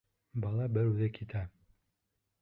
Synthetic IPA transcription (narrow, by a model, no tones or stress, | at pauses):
bɑlˠɑbɘɾʉðɘkit̪ʰæ